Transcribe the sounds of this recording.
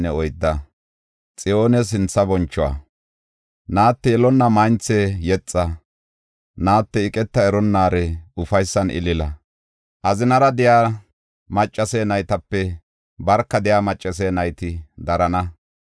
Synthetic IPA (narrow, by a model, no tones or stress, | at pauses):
nɛɔjd̪ːɐ | t͡sʼɪjo̞ːnɛs̬ɪnt͡sːɐbɔnt͡ʃːɔwa̰ː | naːt̪ːɛjɛlɔnːɐmɐjnt͡sːejɛt͡sʼːɐ | naːt̪ːɛɪkʼɛt̪ːɐɛɾɔnːaːɾɛʊfɐjsːɐnʔɪ̰lɪlɐ | ʔɐzɪnɐɾɐd̪ɪjaː | mɐt͡ʃʼːɐseːnɐjt̪ɐpːɛ | bɐɾkːɐd̪ɪjaːmɐt͡ʃʼːɐseːnɐjt̪ɪd̪ɐɾɐnɐ